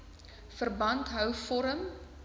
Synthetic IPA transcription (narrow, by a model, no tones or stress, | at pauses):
fərbɐntɦœwfɔɾəm